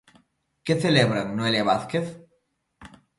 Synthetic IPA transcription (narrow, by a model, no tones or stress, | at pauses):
keθeleβɾaŋnoeljaβaθkeθ